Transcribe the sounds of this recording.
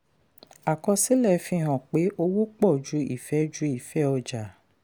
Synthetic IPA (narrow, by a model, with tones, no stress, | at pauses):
a˨kɔ˧si˨˦lɛ˦˨˦fĩ˧˦˨ɦɔ̃˨k͡pe˨˦ʔo˧wo˦k͡pɔ˦˨d͡ʒu˨˧˦ḭ˦˨fɛ˨˦d͡ʒu˦i˦˨fɛ˨˦ɔ˧d͡ʒa˨